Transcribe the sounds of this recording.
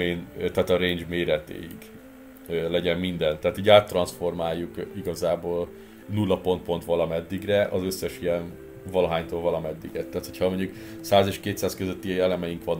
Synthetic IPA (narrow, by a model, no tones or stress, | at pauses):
eːnt̪aːt̪ɒɾeːɲd͡ʒmeːɾɛt̪ḛːjḭɡ | ølɛɟɛmmind̪ɛnt̪ɛːt̪iːɟaːt̪ːrɒnsfo̞rmaːjːukiɡɒzaːboːl | nulːɒpo̞nt̪̚po̞nt̪ʋɒlɒmɛd̪ːiɡrɛʔɒzø̞sːɛʃijɛn | vɒlɒɦaːɲt̪oːlvɒlɒmɛd̪ːiɡɛt̪ːaːt̪hocʰhɒmo̞ɲɟuk | saːzeːʃkeːt̪saːskøzøt̪ːiɛlɛmɛjiŋkʋɒn